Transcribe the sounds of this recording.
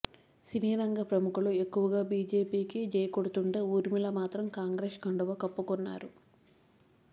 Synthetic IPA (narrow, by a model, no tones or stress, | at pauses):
siniːɾɐŋɡɐpɾɐmukulue̞kːuʋɐɡaːbiːd͡ʒe̞ːpiːkid͡ʒɐjɐkoɽut̪uɳʈeuːɾimilɐmaːt̪ɾɐmkaːŋɡɾeːʂkɐɳɖɐʋɐkɐpːukonːa̰ːɾu